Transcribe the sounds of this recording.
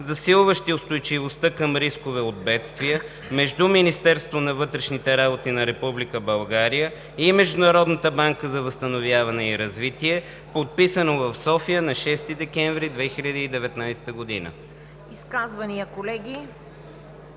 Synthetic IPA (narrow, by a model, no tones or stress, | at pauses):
zɐsilˠvəʃt̪iʊst̪ojt͡ʃivost̪akəmɾiskovɛod̪̚bɛt̪st̪viə | mɛʒd̪uminist̪ɛɾst̪vonɐvɤt̪ɾɛʃnit̪ɛɾabot̪inɐɾɛpublikəbɐlˠɡaɾijə | imɛʒd̪ʊnɐɾɔd̪nət̪əbaŋkəzɐvɐst̪ɐnovjavɐnɛiɾɐzvit̪iɛ | pot̪̚pisənovɐfsɔfijənɐʃɛst̪id̪ɛkɛ̃ɱvɾid̪vɛxiʎʲəd̪iːd̪ɛvɛt̪najsɛ̥t̪əɡod̪inə̰ | iskazvɐnijəkolɛɡʲi